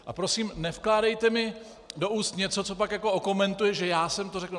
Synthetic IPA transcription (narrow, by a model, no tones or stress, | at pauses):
ʔapɾo̞siːmnɛfklaːdɛjt̪ɛmɪ | do̞ʔuːst̪ɲɛt͡so̞t͡so̞p̬akjako̞oko̞mɛnt̪ujɛʒɛjaːsɛmt̪orɛkl̩